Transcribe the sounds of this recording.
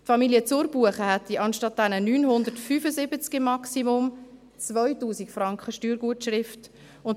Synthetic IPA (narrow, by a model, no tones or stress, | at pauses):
tfɑmiliət͡sʊɾb̥uəχəhɛtiʔɑnʃtɑt̚dɛnənyːnhʊnd̪əɾtfyːfəzɪbət͡skɪmːɑksimʊm | t͡svœʏtuːsikfrɑŋkχəʃtyːɾɡ̥uətʃrɪft | ʊn